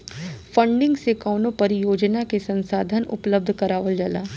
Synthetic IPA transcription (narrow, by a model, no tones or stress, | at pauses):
fə̃ɳɖɪ̃ŋɡsekaːnõpɐɾjoːd͡ʒnakesɐ̃nsaːd̪ʱənʊ̰pləb̚d̪ʱkɐɾaːʋəld͡ʒəlaː